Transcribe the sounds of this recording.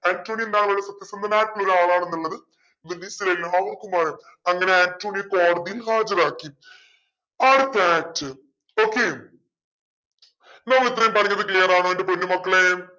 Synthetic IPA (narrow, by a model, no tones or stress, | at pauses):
aːntoːɳiend̪aːkɐɭɐɭːsɐt̪ːjɐsɐnd̪ɐnaːjʈːɐɭoɾaːɭaːɳenːiɭːɐðɨ | ʋilisilellɦɐʋɐkːumɐɾe | ɐŋːɐne̞aːntoːnijko̞ːɽɐðijilɦaːd͡ʑɐraːkːi | aːɽɨt̪aːtːɨ | o̞ːkːe | nɐʋit̪rɐjumpɐrɐɲːɐðɨkleːɾaːɳoendep̬onːumɐkːɐɭe